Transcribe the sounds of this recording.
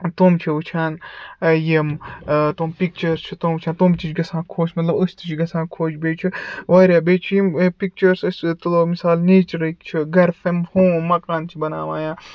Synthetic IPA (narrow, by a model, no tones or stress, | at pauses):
t̪oːmt͡ʃʰiut͡ʃʰaːnjimt̪oːmpik̚t͡ʃɐɾst͡ʃʰit̪oːmut͡ʃʰaːnt̪oːmt͡ʃit͡ʃɡɐsãːkʰoːt͡ʃmɐt̪lɐbɐst̪it͡ʃɡɐsãːkʰoːt͡ʃʰbeːt͡ʃʰiʋaːɾjaːbeːt͡ʃʰijimpik̚t͡ʃɐɾsɐsʲt̪omisaːlniːt͡ʃɾɐikt͡ʃʰiɡɐɾfemhõːmɐkaːnt͡ʃʰibɐna̰ːʋaːjãː